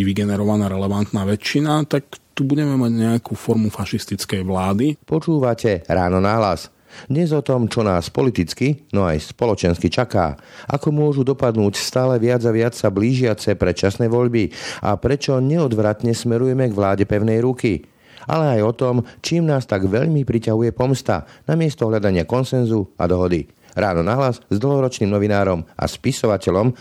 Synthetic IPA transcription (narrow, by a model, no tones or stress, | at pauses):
ʋiɡɛnɛɾɔʋanaːɾɛlɛʋant̪naːʋɛt͡ʃːinat̪akt̪ubuɟɛmɛmaɟɲɛakuːfɔɾmufaʃist̪it͡skɛjʋlaːd̪ipɔt͡ʃuːʋacɛɾaːnɔnaɦla̰s | d̪ɲɛzɔt̪ɔmt͡ʃɔnaːspɔlit̪it͡skinɔa̰jspɔlɔt͡ʃɛnskit͡ʃaka̰ːʔa̰kɔmʊɔʒud̪ɔpad̪nuːcst̪aːlɛʋɪad͡zaʋɪat͡ssabliːʒɪat͡sɛpɾɛt͡ʃasnɛʋɔʎbiʔa̰pɾɛt͡ʃɔɲɛɔd̪ʋɾat̪ɲɛsmɛɾujɛmɛɡʋlaːɟɛpɛʊnɛjɾuki | a̰lɛajɔt̪ɔmt͡ʃiːmnaːst̪aɡʋɛʎmipɾicaɦujɛpɔmst̪a̰namɪɛst̪ɔɦʎad̪aɲɪakɔnsɛnzua̰d̪ɔɦɔd̪i | ɾaːnɔnaɦlazzd̪l̩ɦɔɾɔt͡ʃniːmnɔʋinaːɾɔma̰spisɔʋacɛʎɔm